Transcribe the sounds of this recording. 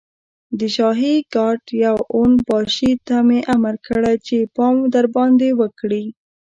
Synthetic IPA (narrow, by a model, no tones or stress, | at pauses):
d̪əʃɑɦiɡɑʈjawonbɑʃit̪ameʔamaɾkəɽajt͡ʃepɑmd̪aɾbɑnd̪ewəkɽi